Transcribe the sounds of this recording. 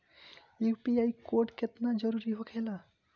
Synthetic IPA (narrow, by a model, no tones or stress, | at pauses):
upiajkoʈket̪nad͡ʒəɾuɾiɦokʰela